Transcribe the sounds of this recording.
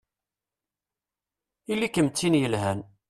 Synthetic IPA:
ilːikəmt͡sːinjəlɦæn

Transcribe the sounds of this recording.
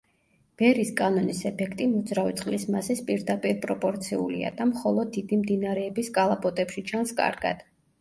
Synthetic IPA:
b̥ɛɾiskʼanɔnisɛpʰɛkʰt̪ʼimɔd̪zɾavit̪sʼqʼlismazɛspʼiɾd̪apʼiɾpʼɾɔpʼɔɾt̪sʰiṵlḭa̰d̪̥amχɔlˠɔd̪ːid̪imd̪inaɾɛːbiskʼalˠapʼɔt̪ʼɛpʃit͡ʃʰanskʼa̰ɾɡa̰d̪̥

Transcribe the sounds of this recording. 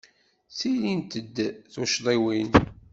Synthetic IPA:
θilint̪əd̪ːθuʃðˤiwin

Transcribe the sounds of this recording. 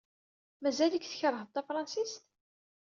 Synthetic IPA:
mæzæləkθə̥çɾˤəhðt̪ːæfɾˤɑnsist̪

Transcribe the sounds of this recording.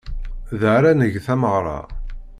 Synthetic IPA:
ðəɾænəʝθæməʁɾˤɑ̰

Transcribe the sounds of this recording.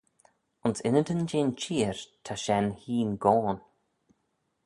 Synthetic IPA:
ʊnsɪnəd̪ənd͡ʒeːnt͡ʃʰiːɹt̪ʰaʃɛnhiːnɡɔːn

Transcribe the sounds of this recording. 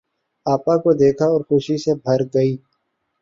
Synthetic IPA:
aːpãkod̪eːkʰaɔːɾxʊʃisebʱɐɾɡəiː

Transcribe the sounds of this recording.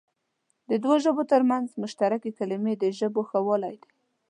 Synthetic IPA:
d̪əd̪woʒəbot̪əɾmanzmʊʃt̪aɾakekalimed̪əʒəboxawəlajd̪e

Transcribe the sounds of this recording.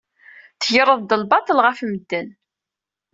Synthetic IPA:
θəjəɾˤəðˤd̪əlbɑt̪ˤəlʁæfməd̪ːən

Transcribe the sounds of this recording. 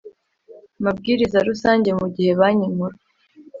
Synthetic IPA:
mabɡiːɾizaɾusaːɲɟe̞muɟihe̞βaɲimuɾe

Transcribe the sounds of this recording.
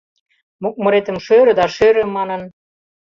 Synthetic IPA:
muk̚mɤ̆ɾet̪ə̆mʃøɾød̪ɑʃøɾɘ̆mɑnɤn

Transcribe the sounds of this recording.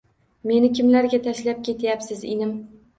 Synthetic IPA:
me̞nɪkʲʰɪmlaɾɡʲat̪ʰaʃlap̚kʲʰe̞t̪ʰjapsɪzḛnɪm

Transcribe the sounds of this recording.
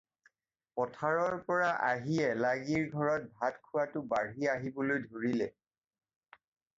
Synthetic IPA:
pɔtʰaɹɔɹpɔɹaʔaɦiɛlaɡiɹɡʱɔɹɔt̚bʱatkʰʊwatʊbaɹiaɦibolojdʱoɹilɛ

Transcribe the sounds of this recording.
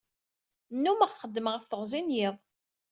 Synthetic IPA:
nːuməʁχəd̪ːəməʁəfθəʁzinjiðˤ

